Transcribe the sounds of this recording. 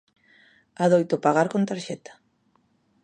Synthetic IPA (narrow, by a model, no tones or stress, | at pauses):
aðojt̪opaɣaɾkont̪aɾʃɛt̪ḁ